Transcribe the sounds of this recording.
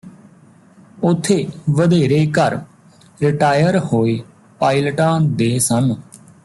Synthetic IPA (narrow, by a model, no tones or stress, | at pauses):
ʊt̪ʰːeːʋəd̪eːɾeːkəɾ | ɾɪʈaːjəɾhoːeː | paːiləʈãːd̪eːsən